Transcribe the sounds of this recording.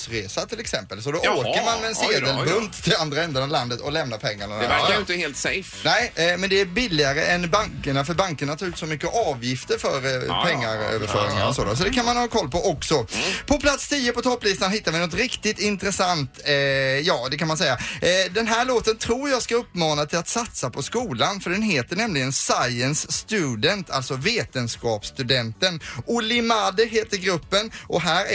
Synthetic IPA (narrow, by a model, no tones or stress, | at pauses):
sɾeːsat̪ʰɪlɛksɛmpəlsɔd̪ɔoːkəɾmanmɛɛnseːd̪əlbɵnt̪t̪ʰɪland̪ɾaɛnd̪ənɑvland̪ət̪ɔlɛmnapʰɛŋːaɳɔɛæɪnt̪əheːlt̪sɛjfnɛɪmɛnd̪ɛæbɪlːɪaɾəʔɛnbaŋkəɳafœɾbaŋkəɳat̪ʰɑːʉ̟ːt̪sɔmʏkːəʔɑːvjɪft̪əɾfœɾpʰɛŋːaɾø̰ːvəɾfœ̰ːɾɪ̰ŋa̰ɾɔsoːd̪a̰s̬ɔd̪ɛkʰanmanhɑːkʰɔlːpɔʔɔksɔpʰɔpʰlat̪st̪ʰiːəpɔt̪ʰɔpːlɪst̪anɦɪt̪ːaɾvɪnɔt̪ɾɪkt̪ɪt̪ɪnt̪ɾɛsant̪jɑːd̪ɛkʰanmansɛjːad̪ɛnɦæːɭoːt̪ənt̪ʰɾuːɾjɑːɡskaɵpːmɑːnat̪ʰɪlat̪sat̪sapʰɔskuːlanfœɖɛnɦeːt̪əɳɛmlɪɡənsajənsːt̪ʉd̪ɛnt̪ʰa̰lt̪sɔveːt̪ənskɑːpst̪ʉd̪ɛnt̪ənʊlɪmad̪əɦeːt̪əɾɡɾɵpːənʔɔɦæːɾ